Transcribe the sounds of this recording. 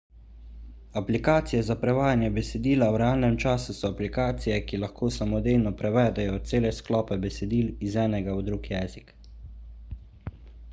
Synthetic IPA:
aplikaːt̪sijɛzapɾɛʋaːjanjɛbɛsɛd̪iːlawɾɛaːlnɛmt͡ʃaːsusɔaplikaːt̪sijɛkilaxkoːsamɔd̪eːjnɔpɾɛʋɛːd̪ɛjɔt̪seːlɛsklɔːpɛbɛsɛd̪iːlizɛːnɛɡawd̪ɾuɡjɛːzik

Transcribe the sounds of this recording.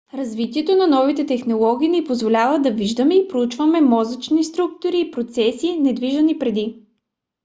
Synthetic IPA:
ɾɐzvit̪iɛt̪onɐnɔvit̪ɛt̪ɛxnolˠɔɡ̟ʲiːnipozvolʲavəd̪ɐviʒd̪əmɛipɾout͡ʃvɐmɛmɔzət͡ʃnist̪ɾuk̚t̪oɾiːpɾot̪sɛsinɛd̪viʒɐnipɾɛd̪i

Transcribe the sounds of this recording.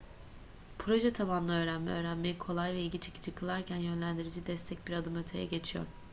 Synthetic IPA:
pʰɾo̞ʒɛt̪ʰaβanlˠɯø̞ːɾænmɛ̰øːɾænme̞jikʰo̞lˠajvɛilʲɟit͡ʃʰecʰi̥d͡ʒʰikʰɯlˠaɾcʰænjø̞nlʲænd̪iɾid͡ʒid̪ɛst̪ʰɛc̚biɾad̪ɯmø̞t̪ʰe̞jɛ̰ɟe̞t͡ʃʰijo̰ɾ

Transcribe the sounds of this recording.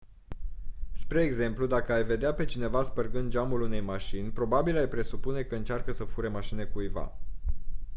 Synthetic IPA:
spɾe̞ːɡze̞mplud̪akəajve̞d̪eape̞t͡ʃine̞vaspərɡɨnd̪d͡ʒamulun̪e̞jmaʃinʲpɾo̞babilajpɾe̞supune̞kəɨnt͡ʃarkəsəfuɾemaʃine̞kujva̰

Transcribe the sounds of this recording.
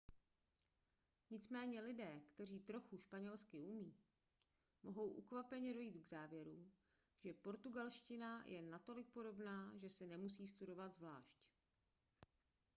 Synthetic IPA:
ɲɪt͡smɛːɲɛlɪdɛːkt̪ɛr̝iːt̪ɾo̞xuʃpaɲɛlskɪumiː | mʔo̞ɦo̞wʔukvapɛɲɛdo̞jiːt̪ɡzaːvjɛɾu | ʒ̥ɛpo̞ɾt̪uɡalʃcɪnajʔɛnat̪o̞lɪk̚po̞do̞bnaːʒɛsɪnɛmusiːst̪udo̞vat̪zvla̰ːʃc

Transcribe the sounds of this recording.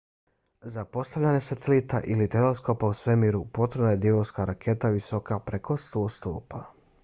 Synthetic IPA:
zapo̞st̪aʋʎaɲesat̪elit̪aʔilit̪elesko̞pausʋe̞mːiːɾupo̞t̪ɾenajed̪jeʋoskaɾakʰe̞t̪aʋiso̞kapɾeko̞st̪oːst̪oːpa

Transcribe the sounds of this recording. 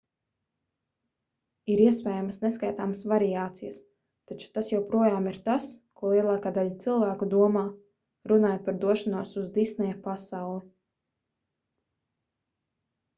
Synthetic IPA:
iɾiɛspʲɛːjamsneskajt̪aːmɐsvaɾiaːt̪sijəs | t̪at͡ʃu̥t̪asjawpɾuɔjaːmiɾt̪askuɔlˠiɛlˠaːkaːd̪aʎat̪silˠvæːkud̪uɔmaː | ɾunaːjot̪̚paɾd̪uɔʃanuɔsuzd̪isnɛjapasawlˠi

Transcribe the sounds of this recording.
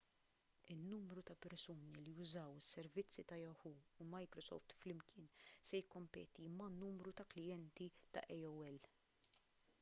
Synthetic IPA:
ɪnːuːmɾut̪ɐpɛɾsuːnilijʊzɐwɪsːɛɾvɪt͡sːit̪ɐjɔħuːumɐjkɾɔsɔ̰ːft̪flɪmkɪːnsɛjɪkːɔmpɛ̰ːt̪imɐnːuːmɾut̪ɐklɪjɛnt̪it̪ɐ̰ʔɛjɔwɛl

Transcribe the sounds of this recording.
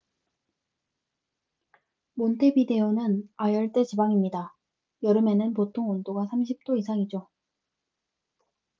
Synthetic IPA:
montʰe̞bide̞onɯnajʌɭt͈e̞t͡ɕibaŋimɲida | jʌɾɯme̞nɯnpotʰoŋondoɡasʰamɕ̬ʰip̚t͈oisʰaŋid͡ʑo

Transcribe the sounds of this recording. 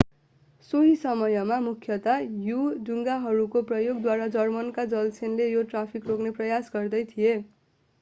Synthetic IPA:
soɦisʌmʌjʌmamukʰjʌt̪ajuduŋɡaɦʌɾukoprʌjoɡd̪waɾad͡zʌrmʌnkad͡zʌlt͡sʰenlejoʈrapʰikrokneprʌjasɡʌrd̪ʌjt̪ʰije

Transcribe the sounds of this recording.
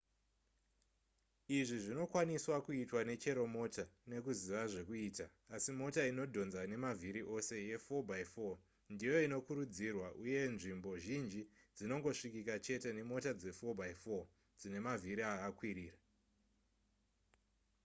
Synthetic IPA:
iʐiʐino̞kwaniswakuitwane̞t͡ʃe̞ɾo̞mo̞tane̞kuziʋaʐe̞kuiːtaːsimo̞taino̞dʱo̞nzane̞mavʱiɾiʔo̞se̞je̞fo̞bʱaifo̞ | ndijo̞ino̞kuɾud͡zirwaʔuje̞nʐimbo̞ʒind͡ʒid͡zino̞ŋɡo̞ʂikikat͡ʃe̞te̞ne̞mo̞tad͡ze̞fo̞bʱaifo | d͡zine̞maviɾiakakwiɾiːra

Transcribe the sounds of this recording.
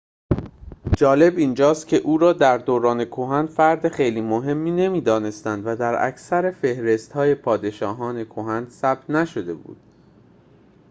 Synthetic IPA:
d͡ʒɒːle̞biːnd͡ʒɒːst̪̚cʲʰe̞ʔuːɾɒːd̪æɾd̪oːɾɒːne̞kʰoɦænd̪fæɾd̪eχejliːmoɦe̞mːiːne̞miːd̪ɒːne̞st̪ænd̪væd̪æɾæ̰cʰsæɾefe̞hɾe̞st̪hɒːje̞pʰɒːd̪e̞ʃɒːɦɒːne̞kʰoɦænd̪sæb̥̚t̪næʃo̞d̪e̞bṵːd̪̥

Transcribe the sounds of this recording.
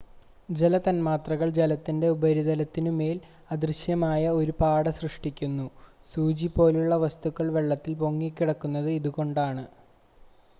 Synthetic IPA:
d͡ʑe̞lɐt̪ɐnmaːt̪rɐɣɐɭd͡ʑelɐt̪ːinde̞ubɐɾiðɐlɐt̪ːinume̞ːl | ɐd̪rɨɕjɐmaːjɐo̞ɾupaːɽɐsrɨʂʈikʲːunːu | suːd͡ʑipːo̞ːluɭːɐʋɐst̪ukːɐɭʋe̞ɭːɐt̪ːilpo̞ŋːikʲːiɽɐkːunːɐðɨiðuɣo̞ɳɖaːɳɨ

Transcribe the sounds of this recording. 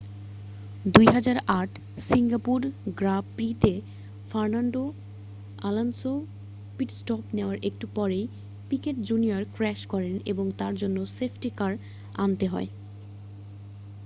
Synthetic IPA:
d̪ujɦad͡ʑaɾaʈ | siŋɡapuɾɡɾabpɾit̪e | faɾnaɳɖo | alanso | piʈsʈɔpneoaɾʔek̚ʈupɔɾej | pikeʈd͡ʑunioɾkɾɛʃkɔɾeneboŋt̪aɾd͡ʑonːosepʰʈikaɾ | a̰nt̪eɦɔ̰e

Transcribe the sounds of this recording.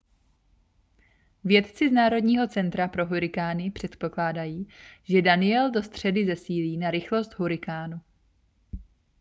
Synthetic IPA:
vjɛt̪t͡sɪznaːɾo̞dɲiːɦo̞t͡sɛnt̪ɾapɾo̞ɦuɾɪkaːnɪpr̝̥ɛt̪po̞klaːdajiːʒɛdanɪɛldo̞st̪r̝̥ɛdɪzɛsiːliːnaɾɪxlo̞st̪ɦuɾɪkaːnu

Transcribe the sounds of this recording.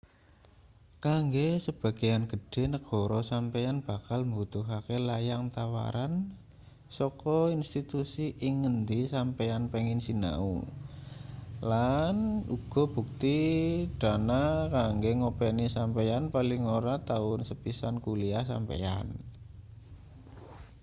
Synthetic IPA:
kaŋɡesəb̥a̤ɡ̥a̤janɡ̥ə̤ɖ̥e̤nəɡ̥ɔ̤ɾɔsampejanb̥a̤kalmbut̪ʊɦakelajaŋt̪awa̰ɾan | sɔkɔinst̪it̪usiʔiŋːənd̪isampejanpeŋɪnsina̰ṵ | lanuɡ̥ɔ̤b̥ṳk̚t̪id̥a̤nakaŋɡeŋopenisampejanpalɪŋoɾat̪aʊnsəpisankulias̬a̰mpḛja̰n

